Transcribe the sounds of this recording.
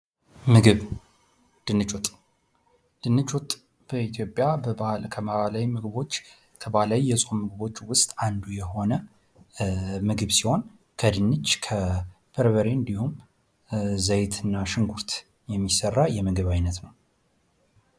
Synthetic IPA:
mɨɡɨβ | d̪̥ɨnɨt͡ʃʼɔt̪ʼ | d̪̥ɨnːɨt͡ʃʼɔt̪ʼ | b̥əit̪ʰjo̞pʼjabəkʰəmalawimɨɡɨβo̞t͡ʃː | kʰəβahlawijɛsʼo̞mːɨɡɨβo̞t͡ʃːwʊst̪ʼand̪ujɛho̞nə | mɨɡɨβsiho̞n | kʰəd̪ɨnːɨt͡ʃːkʰə | b̥əɾβəɾeɨnd̪ihum | zəjt̪ʰɨnːaʃɨŋɡuɾt̪ | jɛmːisərːajɛmɨɡɨβajnət̪nəw

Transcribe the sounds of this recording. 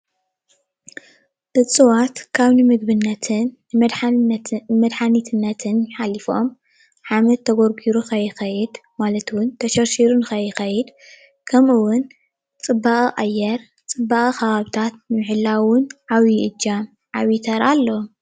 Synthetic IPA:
ʔɨt͡sʼɨwat̪kʰaβnɨmɨɡ̚bɨnːɐt̪ʰɨn | d̪ | mɐd̪ħanit̪ʰɨnːɐt̪ʰɨnjɪħalifo̞m | ħamɐt̪ʰːɐɡoɾɡiɾuxɐjɪxɐjɪd̪malɐt̪wʊnt̪ʰɐʃɐɾʃiɾunɨxɐjɪxɐjɪd̪ | kʰɐmɨwʊn | t͡sʼɨbːaχʼiʔʼajːɛɾ | t͡sʼɨbːaχʼixɐβaβt̪ʰat̪̚nmɨħɨlːawʊnʕawiʔɨd͡ʒːam | ʕaβit̪ʰɐɾalːom

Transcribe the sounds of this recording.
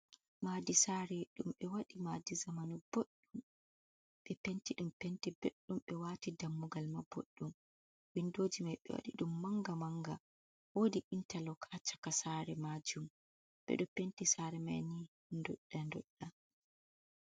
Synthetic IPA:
maːdisaɾɛɗumɓɛwaɗimadizamanub̥oɗːum | ɓɛpentiɗumpentibeɗːumɓɛwaːtidamːuɡalmabo̰ɗːum | windod͡ʒimajɓɛ̰wa̰ɗḭɗumːaŋɡamaŋɡa | wodiʔintalɔkʰat͡ʃḁkasaɾɛmad͡ʒum | ɓɛ̰ɗɔpentisaːɾɛma̰jni | ndɔ̰ɗːandɔɗːa

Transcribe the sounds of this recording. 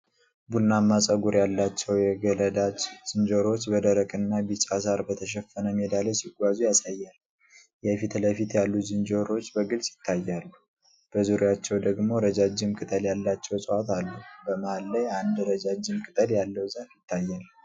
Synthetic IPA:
bulnamːasʼəɡuɾjalːat͡ʃːɛwjɛɡələd̪ad͡ʒz̥ɨnd͡ʒoɾo̞t͡ʃːbəd̪əɾəkʼɨnːabit͡ʃʼasaɾbət̪ʰəʃ̬ɛfːənəmed̪aləsiɡʷazujasajːal | jɛfit̪ləfit̪jalːuzɨnd͡ʒoɾo̞t͡ʃːbəɡɨlsʼjɪt̪ʰːajːalːu | b̥əzuɾjat͡ʃːɛwd̪əɡmo̞ɾəd͡ʒad͡ʒːɪmkʼɨt̪ʼəljalːat͡ʃːɛwsʼəwat̪alːubəməalːajand̪ɾəd͡ʒad͡ʒːɨmkʼɨt̪ʼəljalːəwzaɾjɪt̪ʰːajːal

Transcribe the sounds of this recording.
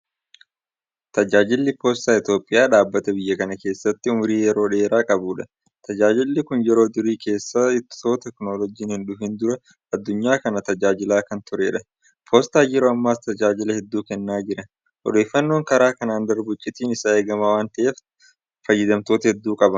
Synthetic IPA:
t̪ɐd͡ʒaːd͡ʒɪlːɪpoːst̪aːɪt̪jo̞ːpʼːɪjaːᶑaːbːɐt̪ɐbɪjːɐkɐnɐke̞ːsːɐt̪ːɪʊmʊɾiːjɛɾo̞ːᶑe̞ːɾaːkʼɐbuːᶑɐ | t̪ʰɐd͡ʒaːd͡ʒɪlːɪkʊnjɛɾo̞ːd̪ʊɾiːke̞ːsːɐɪt̪ːt̪oːt̪ɛkno̞ːlɔd͡ʒiːnhɪnᶑʊɪnd̪ʊɾɐ | ɐd̪ːʊɲːaːkɐnɐt̪ɐd͡ʒaːd͡ʒɪlaːkɐnt̪ʊɾeːᶑɐ | pʰoːst̪aːjɛɾoːɐmːaːst̪ɐd͡ʒaːd͡ʒɪlɐhɛd̪ːuːkɛnːaːd͡ʒɪɾɐ | ʔɔ̰d̪e̞ːfːɐnːo̞ːŋkɐɾaːkɐnaːnd̪ɐɾbʊt͡ʃʼːɪt̪iːnɪsaːeːɡɐmawaːnt̪ɐʔe̞ːf | fɐjːɪd̪ɐmt̪o̞ːt̪ɐhɛd̪ːuːkʼɐbɐ

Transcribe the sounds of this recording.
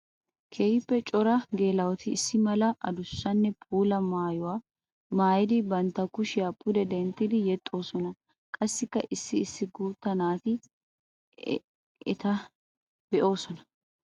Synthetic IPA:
kʰejɪpːɛt͡ʃʼɔɾɐɡe̞ːlɐwɔt̪ɪːsːɪmɐlɐʔɐd̪ʊsːɐnːɛpʰʼuːlɐmaːjʊwaː | maːjɪd̪ɪbɐnt̪ːɐkʊʃɪɐpʼːʊd̪ɛd̪ɛnt̪ːɪd̪ɪjɛt̪ʼːo̞ːsɔnɐ | kʼɐsːɪkːɐʔɪsːɪːsːɪɡuːt̪ːɐnaːt̪ɪ | ɛ̰t̪ɐ | b̥ɛʔo̞ːsɔnɐ̥

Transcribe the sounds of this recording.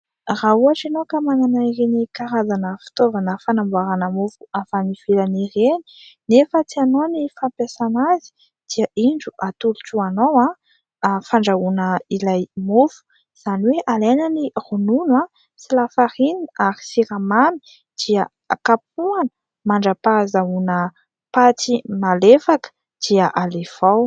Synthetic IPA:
rauaʈ͡ʂinokəmananaiɾenikaɾazanəfi̥t̪ovanəfanambaɾanəmufu̥afaniv̥elanireni̥nefət͡sianonifampjasanazi̥ | d̪̥iəʔiɳɖ͡ʐuʔat̪uluʈ͡ʂuanowã | faɳɖ͡ʐaunəilajmufu̥ | z̥aniweʔalejnənirununã | silafaɾiniaɾi̥siɾamani̥ | d̪̥iə | akap̚uanə̥ | maɳɖ͡ʐapazaunə | pat͡simalefakə̥ | d̪̥iəʔalev̥aw

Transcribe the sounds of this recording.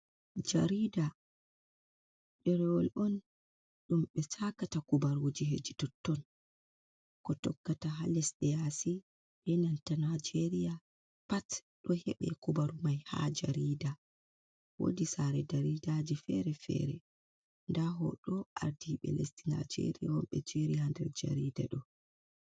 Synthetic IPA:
d͡ʒaɾida | ɗɛɾɛwɔlʔɔn | ɗumɓɛsakatakubaɾud͡ʒihḛd͡ʒitɔtːɔn | kɔtɔɡːataɦalɛsɗɛjasi | ɓɛnantanad͡ʒeɾija | pat | ɗɔhɛɓɛ̰kubaɾumajha̰d͡ʒa̰ɾida | wo̰disaɾɛdaɾidad͡ʒifɛɾɛfɛ̰ɾɛ̰ | ndaɦɔ̰ɗɔaɾdiɓɛ̰lestina̰d͡ʒḛɾijawɔmɓɛd͡ʒeɾijandɛɾd͡ʒa̰ɾiːda̰ɗɔ

